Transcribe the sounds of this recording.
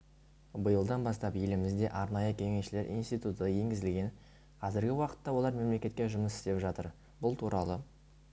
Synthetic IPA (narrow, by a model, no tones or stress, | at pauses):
bəjəlˠd̪ɑnbɑst̪ɑpje̞lɪmɪzd̪e̞ʔɑɾnɑjəkʲʰe̞ŋe̞sʃɪle̞ɾʔḭjnst̪ijt̪ut̪əje̞ŋɡʲɪzɪlɡʲe̞n | qʰɑzɪɾɡʲɪwɑqə̥t̪ːɑwo̞lˠɑɾme̞mle̞kʲe̞t̪kʲe̞ʒʊməsɪ̥st̪e̞pʒɑt̪əɾ | bʊlˠt̪ʰuɾʔɑlˠə